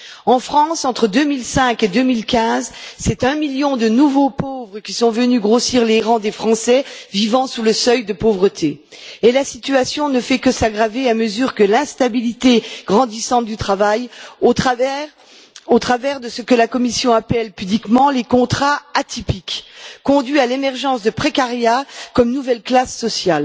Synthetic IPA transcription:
ɑ̃fχɑ̃sɑ̃t̪χəd̪ømilsɛ̃ked̪ømilkʲɛ̃zsɛt̪ɛ̃miljɔ̃d̪ənuvopovʁəkʲisɔ̃vənyɡʁosiʁleʁɑ̃d̪efχɑ̃sɛvivɑ̃suləsœjd̪əpovʁət̪ʰeː | lasit̪yasjɔ̃nəfɛkəsaɡʁaveaməzyʁkəlɛ̃st̪abilit̪eɡ̥ʁɑ̃d̪isɑ̃t̪̚d̪yt̪χavajo | ot̪χavɛʁd̪əsəkəlakɔmisjɔ̃apɛlpyblikmɑ̃lekɔ̃t̪χaat̪ʰipikkɔ̃d̪ɥialemɛʁʒɑ̃sd̪əpχekaʁjakɔmnuvɛlklasːɔsjal

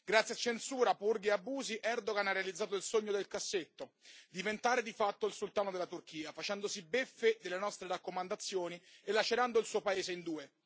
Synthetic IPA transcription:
ɡɾat̪sːjat͡ʃːensuːɾapurɡieabuːziʔɛrd̪oɡanarealid̪zːaːt̪̬oilsoɲːod̪elkasːet̪ːod̪ivent̪aːɾed̪ifat̪ːoilsult̪aːnod̪elːat̪urkiːafat͡ʃɛnd̪osibefːed̪elːenɔst̪ɾeɾakːomand̪at̪sːjoːnielːat͡ʃeɾand̪oilsuːopaeːzeind̪uːe

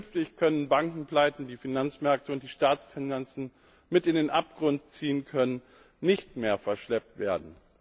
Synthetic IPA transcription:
nftɪçkʰœnənbaŋkŋ̩pl̥aɪtn̩diːfinant͡smɛɐk̚təʊnt̚d̥iːʃtaːt͡sfɪnant͡sn̩ | mɪtɪndeːnʔap̚ɡ̥ʁʊntt͡siːənkʰœnənː | ɪçtmeːɐfɛɐʃlɛp̚tv̥eːɐdn̩

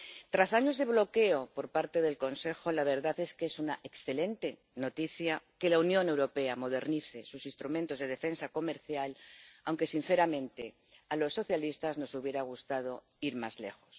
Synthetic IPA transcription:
t̪ɾasaɲo̞zðe̞β̞lo̞ke̞o̞po̞ɾpaɾt̪e̞ðe̞lko̞nse̞xo̞laβ̞e̞ɾðaθe̞skesunaʔeksθe̞lẽ̞nt̪e̞ | no̞t̪iθjake̞launjõ̞ne̞wɾo̞pe̞amo̞ð̞e̞ɾniθe̞susinst̪ɾumẽnt̪o̞zð̞e̞ð̞e̞fe̞nsako̞me̞ɾθjalawŋke̞sin̟θe̞ɾamẽ̞nt̪e̞ | alo̞sːo̞θjalist̪azno̞suβje̞ɾaɣ̞ust̪að̞o̞ | iɾma̰zle̞̰xo̞̥s

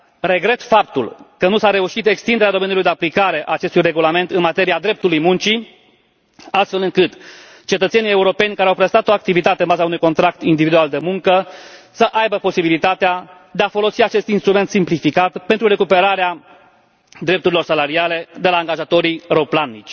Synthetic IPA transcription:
ɾe̞ɡɾe̞t̪fap̚t̪ṵlkənusaɾe̞uʃit̪e̞kst̪ind̪eɾad̪ome̞njulujd̪e̞aplikaɾe̞ʔa̰ːt͡ʃe̞st̪ujre̞ɡulame̞nt̪ɨnmat̪e̞ɾiad̪ɾe̞p̚t̪ulujmunt͡ʃi | ast̪fe̞lɨŋkɨt̪ | t͡ʃe̞t̪ət̪se̞nije̞uɾo̞pe̞nʲkaɾeawpɾest̪at̪oak̚t̪ivit̪at̪eənbazaunujko̞nt̪ɾak̚t̪ind̪ivid̪uald̪e̞muŋkəsəʔajbəpo̞sibilit̪at̪ead̪e̞afo̞lo̞siat͡ʃe̞st̪inst̪ɾume̞nt̪simplifikat̪pent̪ɾuɾe̞kupe̞ɾaɾea | d̪ɾe̞p̚t̪uɾilo̞rsalaɾiale̞d̪e̞laːŋɡaʒat̪o̞ɾiɾo̞planːit͡ʃʲ

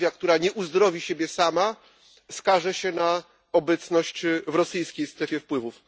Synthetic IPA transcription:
jakt̪uɾaɲɛʔuzd̪ɾɔvʲiɕebʲjɛsama | skaʐɛɕɛna | ɔbɛt̪snɔɕt͡ɕvɾɔsɘjskʲejst̪ɾɛfʲjɛfpwɘvuf

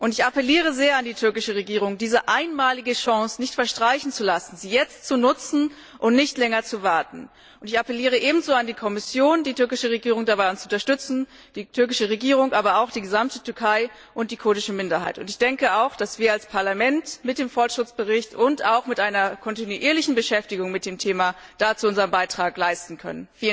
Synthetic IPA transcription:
ʔʊntɪçʔapəliːʁ̞əzeːɐandiːtʰʏɐkɪʃəʁ̞eɡiːʁ̞ʊŋdiːzəʔaɪnmaːlɪɡəʃɑŋsnɪçtfɛɐʃtʁ̥aɪçn̩t͡sulasn̩ziːjɛt͡stt͡sunʊt͡sn̩ | ʔʊntnɪçtlɛŋɐt͡suvaɐtn̩ | ʊntɪçapəliːʁ̞əʔeːbm̩zoːandiːkʰɔmɪsjoːndiːtʰʏɐkɪʃəʁeɡiːʁ̞ʊŋdabaɪʊnt͡sʊntɐʃtʏt͡sn̩ | d̥iːtʰʏɐk̬ɪʃəʁ̞eɡiːʁʊŋʔaːbɐaʊxd̥iːɡəzamtətʰʏɐkʰaɪ | ʔʊnt̚d̥iːkʰoːdɪʃəmɪndɐɦa̰ɪtʊ̰ntɪçd̥ɛŋkəaʊxd̥asv̥iːɐalspʰaɐlamɛntmɪt̚d̥eːmfɔɐtʃɪt͡sb̥əʁɪçtʊntaʊxmɪtʔaɪnɐkʰɔntinuʔiːɐlɪçn̩bəʃɛftɪɡʊŋmɪt̚d̥eːmtʰeːmad̥aːt͡suʔʊnzəʁəmbaɪtʁ̥aːklaɪstn̩kʰœ̰nənfiːl

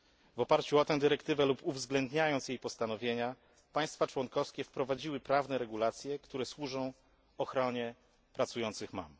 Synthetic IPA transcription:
vɔpaɾt͡ɕuɔt̪ɛ̃w̃d̪ɨɾɛkt̪ɘvɛlupuvzɡlɛnd̪ɲajɔnt̪sjejpɔst̪anɔvʲjeɲa | paj̃st̪fat͡ʂwɔnkɔfskʲɛfpɾɔvad͡ʑiwɘpɾavnɛɾɛɡulat̪sʲjɛkt̪uɾɛswuʐɔ̃w̃ | ɔxɾɔɲɛ | pɾat̪sujɔnt̪sɘxma̰m

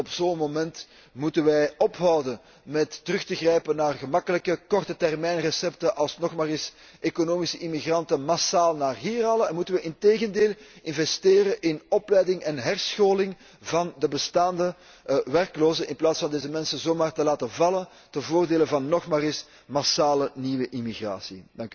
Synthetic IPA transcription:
ɔpzoːnmomɛnt | mutənʋɛjɔpɦɑwdən | mɛtːərɵxtəɣrɛjpənːaːrɣəmɑkələkəkɔrtətɛrmɛjnrəsɛptəʔɑlˠsnɔxmaːrɪs | ʔekonoːmisəʔimiɣrɑntənmasaːlˠnaːrɦiːralɛnmutənʋəʔɪnteːɣəndeːlˠɪnvɛsteːɾəʔɪnɔplɛjdɪŋʔɛnɦɛrsxoːlɪŋ | vɑndəbəstaːndə | ʋɛrkloːzənʔɪnplaːtsfɑndeːzəmɛnsənzoːmaːrtəlaːtənvɑlən | tənvoːrdeːlənvɑnːɔxmaːɾɪs | masaːləniʋəʔimiɣra̰ːsidɑŋky

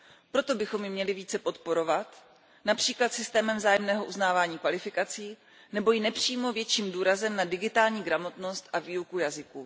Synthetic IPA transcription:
pɾo̞t̪o̞bɪxo̞mjɪmɲɛlɪviːt͡sɛpo̞t̪̚po̞ɾo̞vat̪ | napr̝̥iːklat̪sɪst̪ɛːmɛmvzaːjɛmnɛːɦo̞ʔuznaːvaːɲiːkvalɪfɪkat͡siː | nɛbo̞jɪnɛpr̝̥iːmo̞vjɛt͡ʃiːmduːɾazɛmnadɪɡɪt̪aːlɲiːɡɾamo̞t̪no̞st̪ʔaviːukujazɪkuː

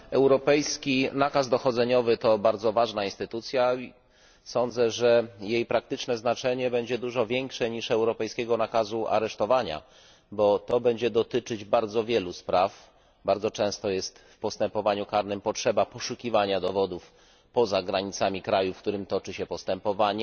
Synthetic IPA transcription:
ɛwɾɔpɛjskʲinakazd̪ɔxɔd̪zɛɲɔvɘt̪ɔbaɾd̪zɔvaʐnainst̪ɘt̪ut̪sʲja | sɔnd̪zɛʐɛjejpɾak̚t̪ɘt͡ʂnɛznat͡ʂɛɲɛbɛɲd͡ʑɛd̪uʐɔvʲjɛŋkʂɛɲiʂɛwɾɔpɛjskʲɛɡɔnakazuʔa̰ɾɛʂt̪ɔvaɲa̰ | bɔt̪ɔbɛɲd͡ʑɛd̪ɔt̪ɘt͡ʂɘd͡ʑbaɾd̪zɔvʲjɛluspɾaf | baɾd̪zɔt͡ʂɛ̃st̪ɔjɛst̪fpɔst̪ɛmpɔvaɲukaɾnɘmpɔtʂɛbapɔʂukʲivaɲad̪ɔvɔd̪uf | pɔzaɡɾaɲit̪samʲikɾajufkt̪uɾɘmt̪ɔt͡ʂɘɕɛpɔst̪ɛmpɔvaɲɛ

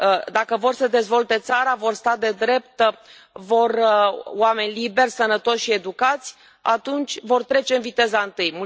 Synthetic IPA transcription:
d̪akəvo̞rsəd̪e̞zvo̞lt̪e̞t̪saɾavo̞rst̪ad̪e̞d̪ɾe̞p̚t̪ | vo̞rwame̞nʲlibe̞rʲsənət̪o̞ʃʃie̞d̪ukat̪sʲ | a̰t̪unt͡ʃʲvo̞rt̪ɾe̞t͡ʃeɨnvit̪e̞zaɨnt̪ɨjmu

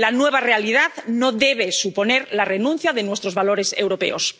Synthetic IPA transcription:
lanwe̞β̞are̞alið̞aðnoðeβ̞esupo̞ne̞ɾlarenũn̟θjaðenwe̞st̪ɾozβalo̞ɾe̞se̞̰wɾo̞pe̞̰o̞s

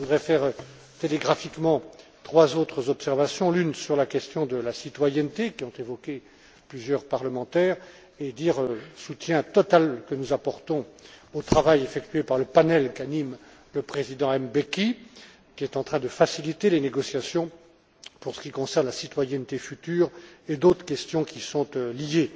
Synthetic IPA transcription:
əvud̪ʁɛfɛʁ | t̪eleɡʁafikmɑ̃t̪χwazot̪χəzɔpsɛʁvasjɔ̃lynsyʁlakʲɛst̪jɔ̃d̪əlasit̪wajɛnt̪ekʲiɔ̃t̪evɔkʲe | plyzjœʁpaʁləmɑ̃t̪ɛːʁ | ed̪iʁøsut̪jɛ̃t̪ɔt̪alkənuzapɔʁt̪ɔ̃ot̪χavajefɛkt̪ɥepaʁləpanɛlkanim | ləpχezid̪ɑ̃ɛmbekʲi | kʲiɛt̪ɑ̃t̪χɛ̃d̪əfasilit̪eleneɡɔsjasjɔ̃ | puʁsə̥kʲikɔ̃sɛʁnlasit̪wajɛnt̪efyt̪yːʁed̪ot̪χə̥kʲɛst̪jɔ̃kʲʰisɔ̃t̪lije

